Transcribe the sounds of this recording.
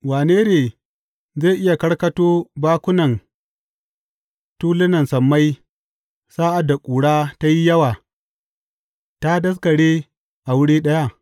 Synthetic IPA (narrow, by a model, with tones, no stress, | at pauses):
waː˨neː˦neː˨ | ze˦˨ʔɪ˦ja˨kɐ˦ɽkɐ˦toː˦baː˦kʷʊ˦nɐ˨n | tuː˦lɪ˦nɐ˨nsɐ˨mːa˦j | saː˦ʔa˨dːa˨kʷʼuː˨ɽaː˦ta˦ji˦jɐ˦waː˨ | ta˦dɐ˦s̬kɐ˨ɽeː˦ | ʔa˨wʊ˦ɽiː˦ɗɐ˦ja˦ʔ